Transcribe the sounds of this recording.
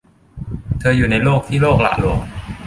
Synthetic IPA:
t̪ʰɤː˧juː˨˩na˧jloː˥˩k̚t̪ʰiː˥˩loː˥˩k̚la̰ː˨˧˩lu˨˩˦əŋ

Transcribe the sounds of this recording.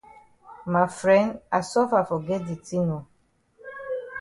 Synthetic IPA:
ma˨fɹɛ̃˦nda˨sɔ˦fa˨fɔ˨ɡɛ˦di˨tĩ˦no˨

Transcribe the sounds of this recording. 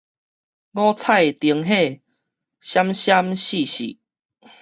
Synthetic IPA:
ɡɔ˦t͡sʰa˥˧˨jt̪i˨˧˦əŋɦe˥˧˨ | ɕja˦mɕja˦mɕi˥˨ɕḭ˨

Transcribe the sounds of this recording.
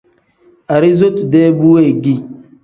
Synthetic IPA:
a˨ɾi˦zo˦tu˨de˦bu˦we˦˨ɡi˦˨

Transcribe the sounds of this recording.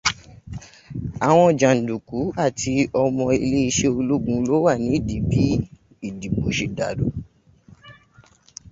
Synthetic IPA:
a˨w̃ɔ̃˧˨d͡ʒã˨n̩˨du˨ku˨˦a˦˨ti˧ɔ˧mɔ̃˧i˧le˦i˧ʃe˦o˧lo˦ɡũ˧˦lo˦wa˦˨nĩ˨˦i˦˨di˨bi˨˦ | i˦˨di˨bo˨˦ʃe˨da˨do˨˦

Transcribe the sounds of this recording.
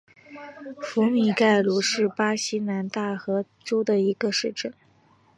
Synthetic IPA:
fu˧˥mi˨˩ka˥˩ɪlu˧˥ʂɻ̩˥˩pa˥ɕi˥na˧˥nt̪a˥˩xɤ˧˥ | ʈ͡ʂo˥ʊd̪ə˨i˧˥ɡə˧ʂɻ̩˥˧ʈ͡ʂə˥˩n

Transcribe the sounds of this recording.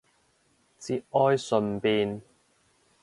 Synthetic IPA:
t͡si˨˧˥ʔɔː˧˥jsɵ˨˧npiː˧n

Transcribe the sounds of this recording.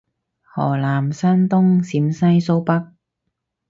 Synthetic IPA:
hɔː˨˩laː˨˩msaː˥nt̪ʊ˥ŋsiː˨˥msɐ˥jso˥wpɐ˥k̚

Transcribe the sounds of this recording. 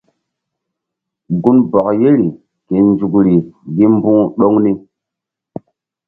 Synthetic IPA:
ɡu˦nbɔ˨kje˦ɾi˨ | ke˨nd͡ʒu˨kɾi˨ɡi˦m˦bũ˦ɗo˦ŋni˦

